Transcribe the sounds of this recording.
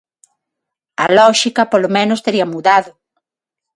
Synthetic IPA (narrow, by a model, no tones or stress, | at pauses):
ɐ̰lɔʃikɐpolomẽnʊst̪eɾiɐmuðaðʊ